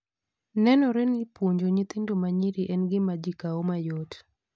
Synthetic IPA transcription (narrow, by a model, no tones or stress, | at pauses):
nɛnɔɾɛnɪpwoɲd͡ʒoɲɪt̪endomaɲiɾiʔɛnɡɪmad͡ʒikaomajot